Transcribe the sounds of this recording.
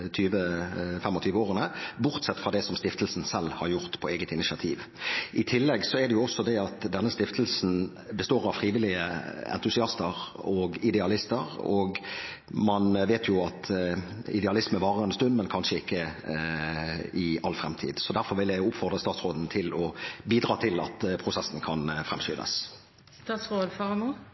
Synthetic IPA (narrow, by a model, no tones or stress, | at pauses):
t̪ʰyːʋəfɛmɔt̪ʰyːʋəoːʁənəbʊʁt̪sɛt̪ːfʁɑd̪ɛsɔmst̪ɪft̪əl̩sn̩sɛlːhɑɾjʊʁt̪pʰɔeːɡət̪ɪnɪʃɪɑt̪ʰḭːʋ | ʔɪt̪ʰɪlːɛɡsɔɛd̪ɛjʊɔsːɔd̪ɛɑt̪d̪ɛnːəst̪ɪft̪əlsn | bəst̪oːʁɑʋfɾiːʋɪlɪəɛ̰nt̪ʊsɪɑst̪əʁɔɡɪd̪ɛɑlɪst̪əʁɔɡ | mɑnʋeːt̪ʰjʊɑt̪ | ɪd̪ɛɑlɪsməʋɑːʁəɛnst̪ʉnd̪mɛnkʰɑnʂəɪkːə | ɪɑlfʁɛ̰mt̪ʰḭːd̪sɔd̪æɾfɔɾʋɪljæɪʊpfɔʁd̪ʁəst̪ɑːt̪sʁoːd̪n̩t̪ʰɪlɔbiːd̪ʁɑːt̪ʰɪlɑ̰t̪pʰʁʊsɛsn̩kʰɑnfɾɛmsy̰ːnə̰s | st̪ɑːt̪sʁoːd̪fɑʁmu